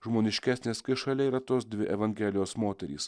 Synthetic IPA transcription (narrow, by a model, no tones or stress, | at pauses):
ʒmoːnʲɪʃʲkʲæsʲnʲeːskɐɪʃɐlʲɛiːɾɐt̪oːsd̪ʲʋʲɪʔɛʋɐŋʲɡʲɛlʲɪjoːsmoːt̪ʲɛɾʲiːs